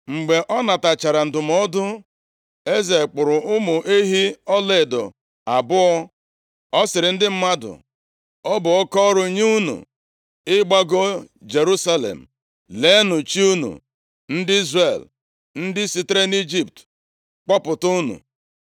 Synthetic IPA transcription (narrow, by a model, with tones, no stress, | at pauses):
ŋ͡m̩˨ɡ͡be˨ʔɔ˦na˨ta˨t͡ʃa˨ɾa˨n̩˨dʊ˨m˨ɔ˦dʊ˦ | e˦ze˨k͡pʊ˨ɾʊ˨ʔʊ˦mʊ˨ʔe˦ɦi˦ɔ˦le˨dɔ̰˨ | a˨bʊ˦ɔ˦ | ɔ˦sɪ˨ɾɪ˨n̩˦dɪ˦m̩˦ma˦dʊ̰˨ | ɔ˦bʊ˨ɔ˦kɔ˦ɾʊ˨˦ɲe˦u˦nṵ˨ | ɪ˦ɡ͡ba˦ɡo˦ | d͡ʒe˨ɾu˦sa˦lḛ˨m̩˨ | le˨˦nʊ˨t͡ʃi˦u˦nṵ˨ | n̩˦dɪ˦i˦zre˨l | n̩˦dɪ˦si˦te˦ɾe˦ni˦d͡ʒi˦p̚t | k͡pɔ˦pʊ˨tu˦nṵ˨